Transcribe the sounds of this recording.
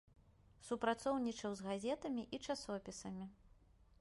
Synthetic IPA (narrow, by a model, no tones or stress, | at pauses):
supɾat̪sɔwnʲit͡ʂɐwzɣazʲɛt̪ɐmʲiʔit͡ʂasɔpʲisɐmʲi